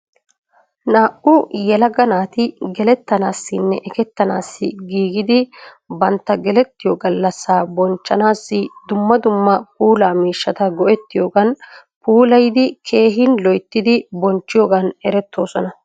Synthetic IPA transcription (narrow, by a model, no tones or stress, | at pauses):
naːʔʊjɛlɐɡɐnaːt̪ɪɡɛlɛt̪ːɐnaːsːɪnːɛʔɛkɛt̪ːɐnaːsːɪɡiːɡɪd̪ɪ | bɐnt̪ːɐɡɛlɛt̪ːɪjɔɡɐlːɐsːaːbɔnt͡ʃːɐnaːsːɪd̪ʊmːɐd̪ʊmːɐpuːlaːmiːʃːɐt̪ɐɡɔʔɛt̪ːɪjoːɡɐn | puːlɐjd̪ɪkʰe̞ːɦɪnlɔjt̪ːɪd̪ɪbɔnt͡ʃːɪjoːɡɐnɛɾɛt̪ːo̞ːsɔnɐ